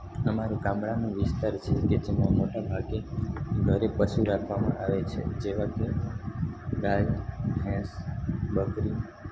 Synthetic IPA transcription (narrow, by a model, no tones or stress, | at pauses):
əmaɾuɡãmɽanũʋɪst̪aɾt͡ʃʰeked͡ʒemãmoʈabʱaɡeɡʱəɾepəʃuɾakʰʋamã̰ʔaʋet͡ʃʰḛd͡ʒeʋãke | ɡajɡʱɛ̃sbəkɾi